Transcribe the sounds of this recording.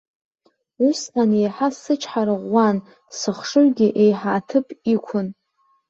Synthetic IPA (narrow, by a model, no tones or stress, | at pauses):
usanejħasɨt͡ʃʰħaɾɨʁʷːan | sɨχʂɨrɡʲɪʔejħaːtʰɨpʼikʷʰʊn